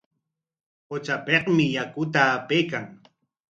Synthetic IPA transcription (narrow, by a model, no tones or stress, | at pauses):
qot͡ʃapeqmɪjakʊt̪aːpejkaŋ